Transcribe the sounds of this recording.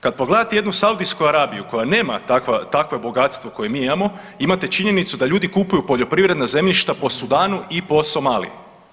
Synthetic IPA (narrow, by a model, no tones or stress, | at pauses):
kad̪̚poɡled̪at̪eje̞d̪nusaud̪ijskuaɾaːbijuko̞jane̞ːmat̪akʋat̪akʋe̞bo̞ɡat̪st̪ʋo̞ko̞je̞miːimamo̞ | imat̪e̞t͡ʃiɲe̞nit̪sud̪aʎuːd̪ikupujupo̞ʎo̞pɾiʋɾe̞d̪naze̞mʎiʃt̪apo̞sud̪aːnuʔipo̞so̞maːlḭji